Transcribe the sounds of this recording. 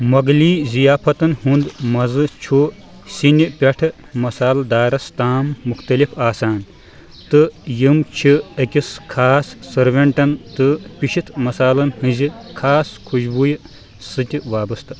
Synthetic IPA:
mɐɡliːzijaːpʰɐt̪ɐnhund̪mɐzɨt͡ʃʰu | sinʲipʲɐʈʰɨ | mɐsaːld̪aːɾɐst̪aːmːuxt̪ɐlifaːsaːn | t̪ɨjimt͡ʃʰiɐkʲiskʰaːsːɐɾʋɐɳʈɐnt̪ɨpʲiʃit̪ʰmɐsaːlɐnhɨ̃nzikʰaːskʰuʃbuj | sɨt̪ʲʋaːbɐst̪ɨ̥

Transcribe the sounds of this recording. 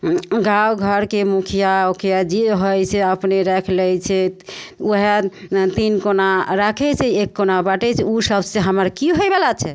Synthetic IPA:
ɡawɡʱəɾkemukʰijaokʰijad͡ʒeɦojt͡ʃʰɛəpneɾɛkʰlɛjt͡ʃʰɛuɦet̪inkonaɾakʰɛt͡ʃʰɛekːonabaʈɛt͡ʃʰɛusəbseɦəməɾkiɦojbelat͡ʃʰɛ

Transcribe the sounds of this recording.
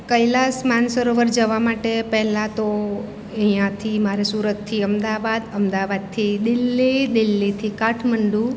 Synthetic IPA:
kəjlasmansəɾoʋəɾd͡ʒəʋamaʈepɛɦlãt̪o | əɦijãt̪ʰimaɾesuɾət̪ʰːiəmd̪aʋad̪əmd̪aʋad̪̚t̪ʰid̪ɪlːid̪ɪlːit̪ʰikaʈʰməɳɖu

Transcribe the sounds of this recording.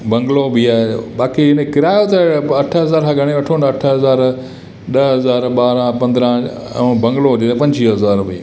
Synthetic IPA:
bɐ̃ŋɡlobiaːebaːkiɪnekɪɾaːjot̪ɐɐʈʰəɦɐzaːɾkʰãːɡʱɐɽ̃eʋɐʈʰoːnɐʈʰəɦɐzaːɾ | ɗɐɦɐzaːɾɓaːɾãpɐ̃nd̪ɾã | bɐ̃ŋɡlod͡ʑeepɐ̃ɲd͡ʒiːɦɐzaːɾbʱi

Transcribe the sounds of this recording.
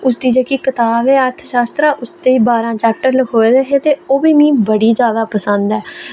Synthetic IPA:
ʊsd̪iːd͡ʒeːkiːkət̪aːbɛːəɾt̪ʰʃaːst̪ɾaːʔʊst̪eːiːbaːɾãːt͡ʃɛːp̚ʈəɾləkʰoːeːd̪eːɦeːt̪eːoːbiːmĩːbəɽiːzjaːd̪aːpəsə̃nd̪ɛː

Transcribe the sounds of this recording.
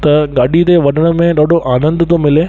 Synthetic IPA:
t̪ɐɡaːɗit̪eʋɐnəɽ̃ə̆mẽɗaːɖoʔaːnə̃nd̪ət̪omɪleː

